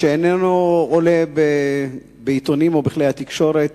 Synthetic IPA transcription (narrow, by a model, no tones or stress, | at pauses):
ʃeenenuolebe | beit̪onimo̞biχlejhat̪ikʃo̞ɾet̪